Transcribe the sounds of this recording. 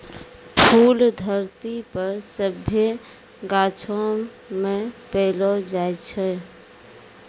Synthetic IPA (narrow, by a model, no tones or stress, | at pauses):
pʰuːld̪ʱəɾt̪ipəɾsəbʱe | ɡat͡ʃʰo | mẽpɛlɔd͡ʒaɛt͡ʃʰɛ